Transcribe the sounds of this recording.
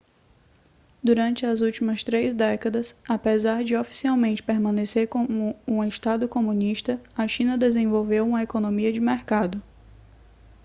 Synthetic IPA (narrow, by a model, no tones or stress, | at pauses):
d̪uɾɐ̃nt͡ʃɪɐzuwt͡ʃimɐst̪ɾejzd̪ɛkɐd̪ɐsapezaɾd͡ʒɪofi̥siawmẽnt͡ʃɪ̥peɾmɐ̃neseɾkõmʊũeʃt̪ad̪ʊkomũniʃt̪ɐɐʃĩnɐd̪ezẽvowvewũmɐekonõmiɐd͡ʒɪmeɾkad̪ʊ